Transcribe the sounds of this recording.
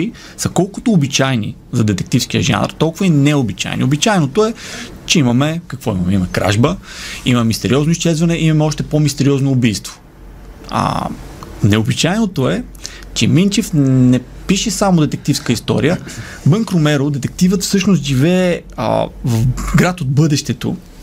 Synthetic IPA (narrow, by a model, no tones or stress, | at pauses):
i | sɐkɔlˠkʊt̪oːbit͡ʃajnḭzɐd̪ɛt̪ɛk̚t̪ifsk̟ijə̰ʒa̰nə̰ɾt̪ɔlˠkʊvəinɛʊbit͡ʃa̰jnḭobit͡ʃajnot̪oɛ | t͡ʃɛimɐmɛkɐkvɔimɐmɛiɐmɛkɾa̰ʒbəimɐmmist̪ɛɾiɔznoist͡ʃɛzvɐnɛʔimɐmɛɔʃt̪ɛpomist̪ɛɾiɔznoːbijst̪vo̥ | a̰ | nɛʊbit͡ʃajnot̪oɛ | t͡ʃɛmint͡ʃɛfnɛ | piʃɛsamod̪ɛt̪ɛk̚t̪ifskəist̪ɔ̰ɾijə | bəŋkɾomɛɾod̪ɛt̪ɛk̚t̪ivət̪fsɤʃnost̪ʒivɛ̰ː | vəfɡɾat̪od̪̚bɤd̪ɛʃt̪ɛt̪o̰